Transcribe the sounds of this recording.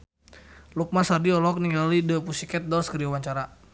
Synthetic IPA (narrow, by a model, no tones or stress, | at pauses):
luk̚masardiɔlɔk̚niŋɡalidəpusikɛt̪̚dɔlskəɾiawaɲt͡ʃaɾa